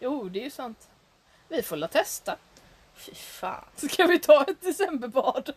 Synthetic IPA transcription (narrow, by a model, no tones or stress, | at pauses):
juːd̪ɛæɾjɵsant̪ | vɪfolaːt̪ʰɛst̪a | fɪfɑ̰ːnskʰavɪt̪ʰɑːɛt̪̚d̪ɛsɛmbəpɑːɖ